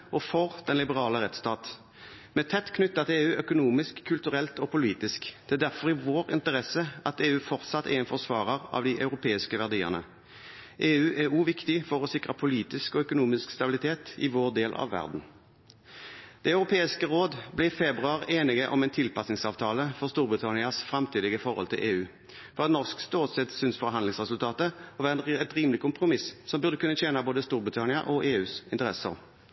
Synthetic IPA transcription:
ɔfɔʁd̪̥ɛnlɪbəʁɑːləʁɛt̪st̪ɑːt̪ | mɛːt̪ʰɛt̪ːkʰnʉt̪ːɑt̪eːʉːʔœkʊnuːmɪskʰːʉlt̪ʉʁɛlt̪ɔpʊliːt̪ɪskd̪̥ɛæd̪æʁfɔʁɪʋoːʁɪ̰nt̪əʁɛsəʔɑt̪eːʉːfɔʁt̪sɑt̪ʰːɛ̰ɛnfɔʁsʋɑːʁəʁɑ̰ʋd̪iʔɑʉʁʊpʰeːɪskəʋæʁd̪iːə̰ʁnə̰ | ʔeːʉːʔæuːʋɪkt̪ɪfɔʁɔsɪkʁəpʰʊliːt̪ɪskɔœkʊnuːmɪskst̪ɑbɪlɪt̪ʰeːt̪ɪ̰ʋoːʁd̪eːlʔɑ̰ʋʋːæ̰ʁd̪n̩ | d̪̥ɛɑʉʁʊpʰeːɪskəʁoːd̪blɛfɛbʁʉɑʁeːnɪɡəʔɔmɛnt̪ʰɪlpɑsnɪŋsɑːʋt̪ʰɑːləfɔʁst̪uːɾbʁɪt̪ʰɑnɪɑsfɾɑmt̪ʰiːd̪ɪɡəfɔʁhɔ̰lt̪ʰɪ̰lʔeːʉː | fɔʁɑt̪nɔʁskst̪oːt̪sɛt̪sʏnsfɔʁɦɑnlɪŋsʁɛsʉlt̪ʰɑːt̪əɔʋæːʁɛnɛt̪ʁiːməlɪkʊmpʁʊmɪssɔmbʉʁd̪əkʉnːət͡ʃeːnɑboːd̪əst̪uːʁbʁɪt̪ʰɑnɪɑ̰ʔɔʔeːʉːsɪnt̪əʁɛsə̰ʁ

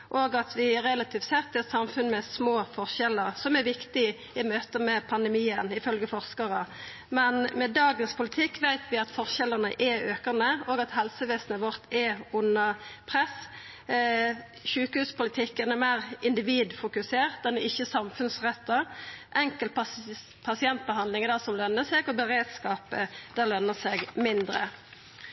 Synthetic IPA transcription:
ʔoːɡɑt̪ʋɪɾɛlɑt̪ʰiːft̪sɛt̪ːɪɛt̪sɑmfʉnmɛsmoːfɔʁʃɛləʁsɔmɛɾʋɪkt̪ɪ | ɪmøːt̪əmɛpʰɑnd̪ɛmiːənɪfœlɡəfɔʁskɑʁə | mɛnmɛd̪ɑːɡənspʰʊlɪt̪ʰɪkːʋæɪt̪ʋɪɑt̪fɔʁʃɛləʁnə̰ʔɛøːkənəoːɡɑt̪hɛlsəʋeːsnəʋɔʁt̪ʰɛʊnəpʰʁɛs | ʃʉːkəhʉːspʊlɪt̪ʰɪkːənɛʁmæɪʁɪnd̪ɪʋiːd̪fʊkʉseːʁt̪̚d̪ɛnd̪ɛɪçːəsɑmfʉnsʁɛt̪ːɑəʔɛŋkəlt̪ | pʰɑsɪɛnt̪̚bəɦɑnd̪lɪŋəd̪ɑsɔmlœnːəsɛɡɔbəʁeːd̪skɑːpəd̪̥æʁlœnːəsɛːɡmɪnd̪ʁə̰

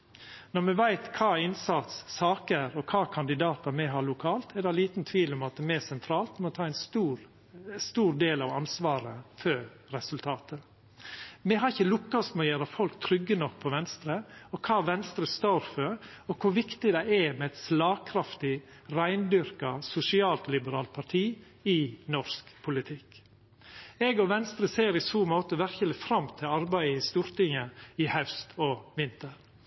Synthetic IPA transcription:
nɔɾmɛʋæɪt̪kʰɑːɪnsɑt̪sːɑːkəɾɔkʰɑːkʰɑnd̪ɪd̪ɑːt̪ɑmɛɦɑɭʊkʰɑːlt̪ʰɛd̪ɑliːt̪nt̪ʰʋiːlɔmɑt̪mɛæsɛnt̪ʰɾɑːlt̪mɔt̪ʰɑːæɪnst̪uːɾ | st̪uːɾd̪eːlɑʋɑnsʋɑːɾəfø | ɾɛsʉlt̪ʰɑːt̪ʰə | mɛɦɑɾɪçːəlʊkːɑsmɔjøːɾɑfɔlkt̪ʰɾʏɡːənɔk̚pʰɔʋɛnst̪ɾəɔkʰɑːʋɛnst̪ɾəst̪oːɾfœɾ | ɔkʰʊʋɪkt̪ɪd̪æɪɛmɛɛt̪slɑːɡkʰɾɑft̪ɪ | ɾæɪnd̪ʏɾkɑsʊsɪɑːlt̪lɪbəɾɑːlt̪̚pʰɑɾʈʰiː | ɪnɔɾskpʰʊlɪt̪ʰɪk | ɛɡɔʋɛnst̪ɾəseːɾɪsuːmoːt̪əʋæɾçəlɪfɾɑmt̪ʰɪlɑɾbæɪəɪst̪uːɾt̪ɪŋəɪhœʉst̪ʰɔʋɪnt̪əɾ

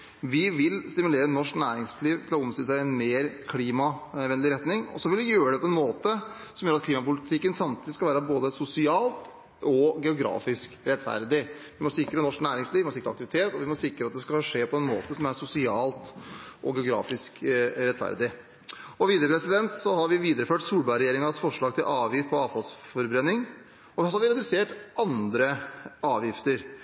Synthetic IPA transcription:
ʋɪʋɪlst̪ɪmʉleːɾənɔʂknæːɾɪŋsliːʋt̪ʰɪlɔʊmst̪ʏːləsæɪɛnmeːɾkʰliːmɑʋɛnlɪɾɛt̪nɪŋɔ̰sɔʋɪlʋɪjøːɾəɖ̪ɛpʰɔɛnmoːt̪ə | sɔmjøːɾɑt̪kʰliːmɑpʊlɪt̪ʰɪkːənsɑmt̪ʰiːd̪ɪskɑlʋæːɾəboːd̪əsʊsɪɑːlt̪ | ɔɡɛʊɡɾɑ̰ːfɪskɾɛt̪ːfæ̰ɾd̪ɪʋɪmɔsɪkɾənɔʂknæːɾɪŋsliːʋɪmɔsɪkɾɑk̚t̪ɪʋɪt̪ʰeːt̪ɔʋɪmɔsɪkɾəɑt̪̚d̪ɛskɑʂeːpʰɔɛnmo̰ːt̪əsɔmæɾsʊsɪɑːlt̪ʔɔɡɛʊɡɾɑ̰ːfɪskɾɛt̪ːfæ̰ɾd̪ɪ | ɔʋiːd̪ɾəpʰɾɛsɪd̪ɛnt̪sɔhɑɾʋɪʋiːd̪əɾəføːʈsuːlbɑɾɛjeːɾɪŋɑsfɔʂɭɑːɡt̪ʰɪlʔɑːʋjɪft̪̚pʰɔɑːʋfɑlsfɔɾbɾɛnɪŋ | ɔɔhɑɾʋɪɾɛd̪ʉseːʈɑnd̪ɾəɑːʋjɪft̪əɾ

